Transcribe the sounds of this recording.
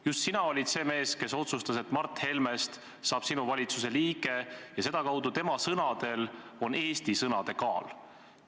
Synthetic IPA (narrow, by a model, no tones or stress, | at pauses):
just̪sinɑo̞lʲid̪se̞ːme̞ːske̞so̞t̪sust̪ɑset̪ːmɑrt̪he̞lme̞st̪ | sɑːb̥sinuvɑlʲit̪suse̞liːɡe̞jɑse̞d̪̥ɑkɑwd̪̥ut̪e̞mɑsɤnɑd̪̥e̞lo̞ne̞ːst̪isɤnɑd̪̥e̞kɑːl